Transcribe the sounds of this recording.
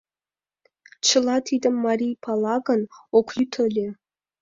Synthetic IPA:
t͡ʃʰɨlɑtʰid̪əmːarʲijpʰalˠɑɡənokʷʰytʰəlʲe

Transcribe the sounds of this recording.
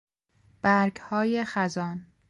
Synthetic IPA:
b̥æɾɡhɒːjexæzɒːn

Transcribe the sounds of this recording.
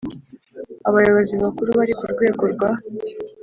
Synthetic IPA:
aβajo̞βo̞ziβakuɾuβaɾikuɾɡwe̞ːɡoɾɡwa

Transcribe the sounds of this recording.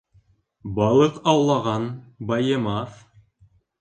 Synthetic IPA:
bɑlˠɤqɑwlˠɑʁɑnbɑjɤmɑθ

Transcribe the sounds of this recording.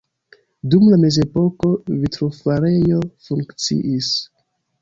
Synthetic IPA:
dumlame̞ze̞po̞ko̞vitɾofaɾe̞jo̞fuŋkt͡sḭʔis

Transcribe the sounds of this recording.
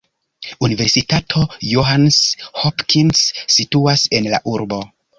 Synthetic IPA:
unive̞ɾsitatʰo̞joɦanshopkʰinsːituase̞nla̰ʔuɾbo̞

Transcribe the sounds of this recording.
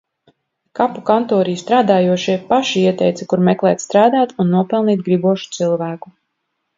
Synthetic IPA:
kapukant̪ɔːɾijst̪ɾaːd̪aːjuɔʃiɛpaʃiiɛt̪ɛjt̪sɛkuɾmɛklˠɛːt̪st̪ɾaːd̪aːt̪unːuɔpɛlˠniːt̪̚ɡɾibuɔʃu̥t̪silˠvæːku

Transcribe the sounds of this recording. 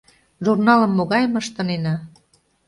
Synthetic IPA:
ʒurnɑlə̆mːoɣɑjməʃt̪ə̆nenɑ

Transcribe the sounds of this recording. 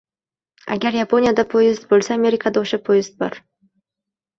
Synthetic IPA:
a̰ɡʲaɾjapʰo̞nʲijad̪apʰojɪzt̪̚bolˠsaːmʲe̞ɾʲɪkʰad̪aoʃapʰojɪst̪̚bɑ̰ɾ

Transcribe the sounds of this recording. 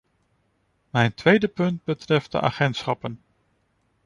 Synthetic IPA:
mɛjntʋejdəpɵnd̚bətrɛft̚də̰ʔa̰ːχɛntsχɑpən

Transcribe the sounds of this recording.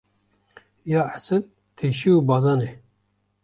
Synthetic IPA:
jɑːasɨl | t̪ʰeːʃiubɑːd̪ɑːne

